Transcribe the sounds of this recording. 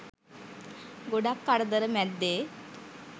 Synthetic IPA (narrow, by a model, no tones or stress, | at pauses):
ɡoɽakːaɽd̪əɾəmad̪ːe